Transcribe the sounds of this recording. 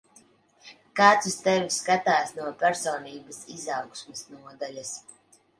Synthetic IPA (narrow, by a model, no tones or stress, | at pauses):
kaːt̪sust̪ɛviskat̪aːsnuɔpʲæɾsɔːniːbɐsizɑwksmɨsnuɔd̪alʲɐs